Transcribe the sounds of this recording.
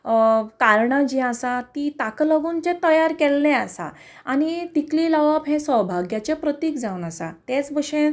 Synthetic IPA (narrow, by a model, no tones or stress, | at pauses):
kaɾɳad͡ʑiasat̪it̪akləɡunt͡ɕet̪əjaɾkɛlːẽəsa̰ | anit̪ikliləʋapɦẽsəwbʱaɡjat͡ɕjapɾət̪iːkd͡zauːnəsa̰t̪et͡sbəɕẽ